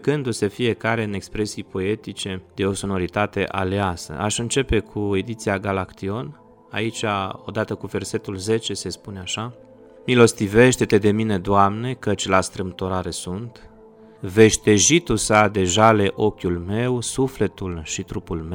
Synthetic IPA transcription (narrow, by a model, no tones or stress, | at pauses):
kɨnd̪use̞fije̞kaɾe̞ɨne̞kspɾe̞sijpo̞e̞t̪it͡ʃe̞d̪̥e̞o̞so̞no̞ɾit̪at̪e̞̰ʔa̰leasə̰ʔaʃɨnt͡ʃe̞pe̞kʰue̞d̪it̪siaɡalakt̪io̞n | a̰it͡ʃao̞̰d̪at̪əkuve̞rse̞t̪ulze̞t͡ʃe̞se̞spuneaʃa | milo̞st̪ive̞ʃt̪e̞t̪e̞d̪e̞mine̞d̪oamne̞kət͡ʃʲlast̪ɾɨmt̪oɾaɾesunt̪ | ve̞ʃt̪e̞ʒit̪usad̪e̞ʒale̞ʔo̞kʲjulme̞wsufle̞t̪ulʃit̪ɾupulme